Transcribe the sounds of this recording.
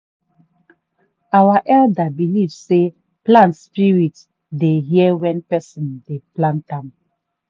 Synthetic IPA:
awaʔɛldabilivse | plãntspiɹit | deɦiɛwɛ̃npɛsɔ̃ndeplãntãm

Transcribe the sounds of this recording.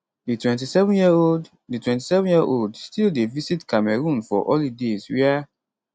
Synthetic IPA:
ditwɛ̃ntisɛvɔ̃njiod | ditwɛ̃nt̬i̥sɛvɔ̃njiəʔoldstildevisitkamɛɹũnfɔ̰ʔɔlidezwɛa

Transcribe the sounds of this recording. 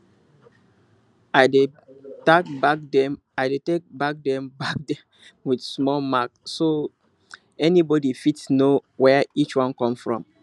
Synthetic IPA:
aɪde | takbakdɛ̃m | aɪdetek̚bak̚dɛ̃mbak̚dɛ̃m | widsmɔlmakso | ɛnibɔdifitsnowɛit͡ʃwãnkɔ̃mfɹɔ̰̃m

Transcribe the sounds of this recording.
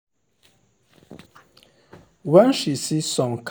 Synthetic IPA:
wɛnʃisisɔ̃ŋkʰ

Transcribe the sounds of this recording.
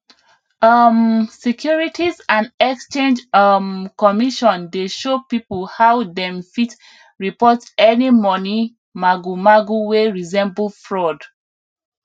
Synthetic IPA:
ʌmsikʰjuɹitʰizãndɛkst͡ʃẽnd͡ʒmkɔmiʃɔ̃ndeʃopipolhawdɛ̃mfit | ɹipɔtɛnimɔni | maɡumaɡuweɹizɛ̃mblfɹɔd

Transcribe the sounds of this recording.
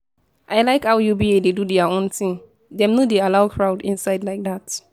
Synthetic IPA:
ʔaɪlaɪkawjubiededudɛaõntĩŋ | dɛ̃mnodealaʊkʰɹaʊdĩnsaɪdlaɪk̚dat

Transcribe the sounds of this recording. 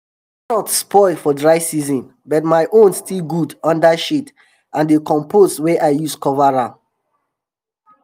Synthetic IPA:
ʃɔtspɔɪlfɔdɹaɪsizɔ̃n | bɔtmaɪʔõnstilɡudʌ̃ndaʃit | ʔãndekɔ̃mpʰosweʔaɪjuskɔvaɹã

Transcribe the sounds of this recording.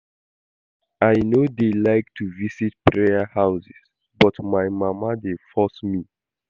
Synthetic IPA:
ajnodelaɪk̚tʰuvisit̚pɹeəhaʊsis | bɔtmajmamadefɔsmi

